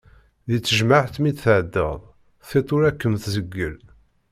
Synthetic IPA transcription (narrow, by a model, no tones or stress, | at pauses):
ðit͡sːəʒmaʕt̪mid̪θəʕd̪ːə̰ðˤ | θet̪ˤʊɾækːəmθzəɡːəl